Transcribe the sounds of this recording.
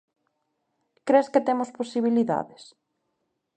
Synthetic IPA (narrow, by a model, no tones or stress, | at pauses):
kɾesket̪emosposiβ̞iliða̰ðɪs